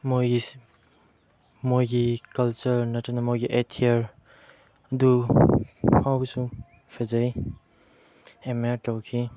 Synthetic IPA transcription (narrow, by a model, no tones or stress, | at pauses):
mojɡi | mojɡikɐlt͡ʃɐɾnɐtɐnɐmojɡiʔetʰieɾ | ɐdu | hawbsu | pʰɐzaj | emaɾtawkʰi